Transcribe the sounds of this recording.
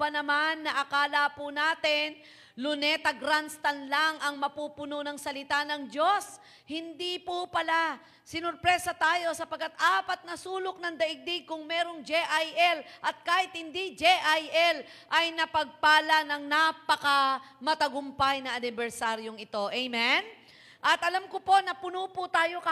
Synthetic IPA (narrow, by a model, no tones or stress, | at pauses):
ɐnɐmanːɐʔɐkaːlɐpʊnaːt̪ɪn | lʊnɛt̪ɐɡɾanst̪ɐnlaŋʔɐŋmɐpupʊnonɐŋsɐlɪt̪anɐŋd͡ʒo̞s | hɪnd̪ipupɐla | sɪnʊɾpɾɛsɐt̪aːjo̞sɐpɐɡ̚kːat̪ʔaːpɐt̪̚nɐsuːlʊk̚nɐŋd̪ɐʔɪɡ̚d̪ɪɡ̚kʊŋmɛɾoŋd͡ʒɛʔajʔɛlʔɐt̪̚kaːhɪt̪̚hɪnd̪id͡ʒɛʔajʔɛl | ʔɐjnɐpɐɡ̚paːlɐnɐŋnapɐkɐ | mɐt̪ɐɡʊmpajnɐɐnɪbɛɾsaɾjoŋɪt̪o̞ʔɛjmɛn | ʔɐt̪ʔɐlamkopo̞nɐpʊnopʊt̪aːjo̞kɐ